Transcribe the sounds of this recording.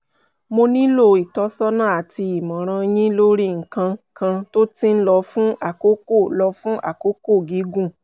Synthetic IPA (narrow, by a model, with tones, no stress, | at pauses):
mo˧nĩ˦lo˦˨i˨tɔ˨˦sɔ˦nã˦a˨ti˧i˨mɔ̃˨ɾ̃ã˧j̃ĩ˦lo˦ɾi˦˨ŋ̩˨kã˧kʰã˧to˦tĩ˦n̩˦lɔ˧fũ˦a˦˨ko˦ko˦˨lɔ˧fũ˦ʔa̰˦˨ko˨˦ko˦˨ɡi˨˦ɡũ˦˨